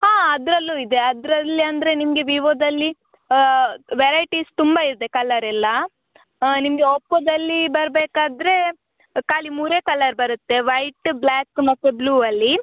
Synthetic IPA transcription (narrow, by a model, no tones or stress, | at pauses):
ɦaːɐd̪ɾɐlːuid̪e̞ɐd̪ɾɐlːiɐnd̪ɐɾe̞nimɐɡe̞ʋiʋod̪ɐlːi | ʋeɾɐjʈist̪umbaiɾd̪e̞kɐlɐɾɛlːɐ | nimɐɡe̞opːɐd̪ɐlːibɐɾbeːkaːd̪ɾe̞ | kaːlimuːɾekɐlːɐɾbɐɾut̪ːe̞ʋɐjʈblaːkːmɐt̪ːebluːɐlːi